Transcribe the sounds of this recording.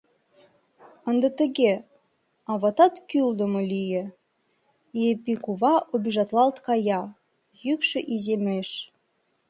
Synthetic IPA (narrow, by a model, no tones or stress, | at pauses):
ə̆nd̪ə̆t̪ə̆ɣe | ɑβɑt̪ɑt̪kyld̪əmŏlʲijĕ | jepikuβɑʔobʲiʒɑt̪lɑlt̪kɑjɑ | jykʃə̆ʔizemeʃ